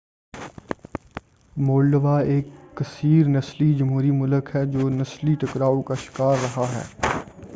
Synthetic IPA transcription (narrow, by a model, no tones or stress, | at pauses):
moːlɖəʋaeːkːɐsiːɾnɐslid͡ʒɐmɦuːɾimʊləkɦɛd͡ʒoːnɐsliʈɐkɾaːõkaʃɪ̥kaːɾːɐɦaɦɛ̰ː